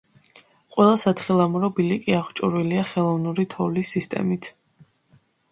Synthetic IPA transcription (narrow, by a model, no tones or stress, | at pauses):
qʼwɛlˠasat̪ʰχilˠamɾɔbilikʼiaχt͡ʃʼṵɾwiliaχɛlˠɔvnuɾit̪ʰɔvlisist̪ʼɛ̰mit̪ʰ